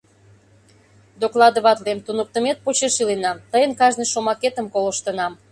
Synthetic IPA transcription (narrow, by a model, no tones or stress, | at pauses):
d̪oklˠɑd̪oβɑt̪lemt̪unək̚t̪əmet̪̚pot͡ɕeʃilenɑmt̪əjənkɑʒnəjʃomɑket̪əmkolə̆ʃt̪ənɑm